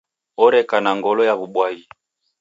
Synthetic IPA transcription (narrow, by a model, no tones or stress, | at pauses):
ɔɾɛkanaŋɡɔlɔjaβuɓwai